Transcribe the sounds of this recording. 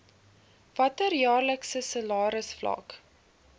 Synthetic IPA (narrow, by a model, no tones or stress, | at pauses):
vɐtərjɑːrləksəsəlɑːɾəsflɐ̰k